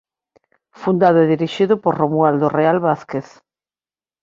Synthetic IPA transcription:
fund̪aðʊeðiɾiʃiðʊpoɾromuald̪orealβaθkeθ

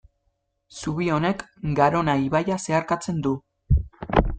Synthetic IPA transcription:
suβio̞ne̞kɡaɾo̞naiβajase̞aɾkat͡se̞nd̪u

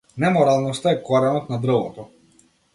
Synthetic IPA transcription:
nɛmɔɾalˠnɔst̪aɛkɔɾɛnɔt̪nad̪ɾ̩vɔ̰t̪ɔ

